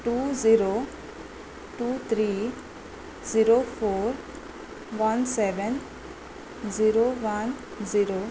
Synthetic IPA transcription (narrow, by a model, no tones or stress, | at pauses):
ʈuːziɾo | ʈuːt̪ʰɾiː | ziɾofoːɾ | ʋãnsɛʋə̃n | ziɾoʋan | ziɾo